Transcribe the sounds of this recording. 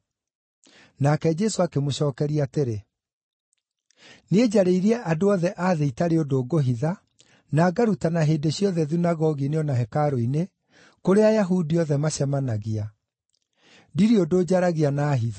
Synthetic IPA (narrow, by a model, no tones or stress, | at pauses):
nakɛd͡ʑɛsoakemoɕɔːkɛɾiateɾe | ned͡ʑaɾeiɾiɛʔadoɔðɛʔaːðeitaɾeodoːɡoɦiða | naːɡaɾutanaɦeːdeɕiɔðɛðinaɣɔɣineɔnaɦɛkaɾoine | koɾeajaɦudiɔðɛmaɕɛmanaɣia | diɾiodod͡ʑaɾaɣianaːɦiða